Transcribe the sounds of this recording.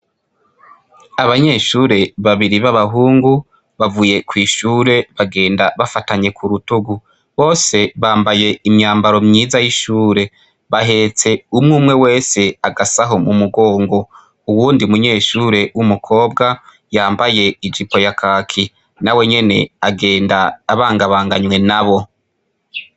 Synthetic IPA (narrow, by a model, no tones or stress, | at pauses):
aβaɲe̞ːʃuːɾe̞βaβiɾiβaβaɦuːŋɡu | βavuje̞kwiːʃuːɾe̞βaɡe̞ːndaβafataɲe̞kʰuɾutuɡu | βo̞ːse̞βaːmbaje̞imɲaːmbaɾo̞mɲiːzajiʃuːɾe̞ | βaɦe̞t͡se̞umŋuːmŋe̞we̞ːse̞aɡasaɦo̞mumuɡo̞ːŋɡo̞ | uwuːndiumuɲe̞ːʃuːɾe̞wʔumukʰo̞ːb̚ɡa | jaːmbaje̞id͡ʒipo̞jakʰaːkʰi | nawe̞ɲe̞ne̞̰aɡe̞ːndaːβaːŋɡaβaːŋɡaɲwe̞naβo̞